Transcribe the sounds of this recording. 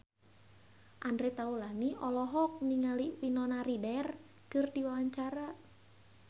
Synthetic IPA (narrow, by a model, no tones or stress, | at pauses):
ʔandɾɛt̪aulaniɔlɔɦɔk̚niŋaliwinɔnaɾidɛr | kɨrdiwawaɲt͡ʃaɾa